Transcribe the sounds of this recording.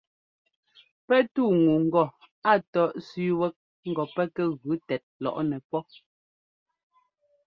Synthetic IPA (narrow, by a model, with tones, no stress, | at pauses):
pɛ˦tuː˦˨ŋu˨ŋ̩˦ɡɔ˦˨ | a˦tɔ˦ʔsʉ˦wɛ˦k̚ | ŋ̩˦ɡɔ˨pɛ˦kɛ˦ɣʉ˨˦tɛ˨t̚lɔ̰˨ʔnɛ˨pɔ˦